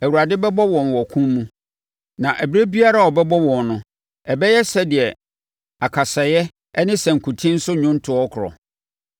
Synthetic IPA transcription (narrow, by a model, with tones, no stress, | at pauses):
æ˨wu˨a˨dɪ˦bɛ˦bɔ˦wɔ̃˨n˨wɔ˨kʰũ˦mːũ˦ | nã˨ʔæ˨bi˦ɾe˦bi˦a˦ɾa˨ɔ˨bɛ˦bɔ˦wɔ̃˨nnʊ̃˨˦ | ɛ˨bɛ˦jɛ˦sɛ˦dɪ˨ɛ˨ | a˨kʰa˨sɛ˨jɛ˦ | ɛ˦nɪ̃˦sɛ̃˨ŋ̩˨kʰũ˨tʰĩ˦n̩˦sʊ˦ɲʊ̃˦n˦tʰʊ˨˦ɔ˦kʰʊ˨ɾɔ̰˨